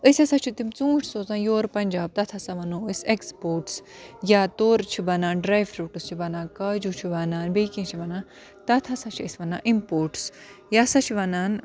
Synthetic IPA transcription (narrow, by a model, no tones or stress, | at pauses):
əsʲɐsat͡ʃʰit̪imt͡sũːʈʰsoːzãːjoːɾpɐnʲd͡ʒaːb̚t̪ɐt̪ʰasaʋɐnoːəsʲekspoːɾʈsjat̪oːɾt͡ʃʰibɐnaːnɖɾaːjʋɾuːʈɨst͡ʃʰibɐnaːkɐd͡ʒut͡ʃʰiʋɐnaːnbeːkĩŋt͡ʃʰibɐnãː | t̪ɐt̪ʰasãt͡ʃʰiə̰sʲʋɐnã̰ːʔimpoːɾʈsjasat͡ʃʰiʋɐnaːn